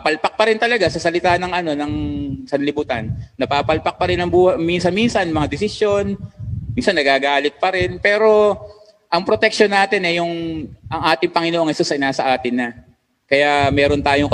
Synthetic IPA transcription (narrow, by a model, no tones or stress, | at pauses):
pɐlpɐk̚pɐɾɪnt̪ɐlɐɡasɐsɐlɪt̪aːnɐŋʔɐno̞nɐŋsɐnlɪbuːt̪ɐnːɐpaːpɐlpɐk̚pɐɾɪnɐŋbuːhɐjminsɐnminsɐnmɐŋad̪ɪsɪsjo̞nminsɐnːɐɡaːɡaːlɪt̪̚pɐɾɪnpɛːɾo̞ | ʔɐŋpɾo̞t̪ɛk̚ʃonːaːt̪ɪnʔɛjʊŋʔɐŋʔaːt̪ɪŋpɐŋɪnoʔoŋʔɛst̪osɐʔɪnaːsɐʔaːt̪ɪnːɐ | kɐjamɛːɾo̞nt̪aːjoŋk